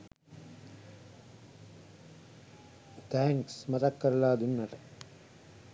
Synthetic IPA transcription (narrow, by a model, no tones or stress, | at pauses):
t̪æːŋksmɐt̪ɐkːɐɾɐlaːd̪inːɐʈɐ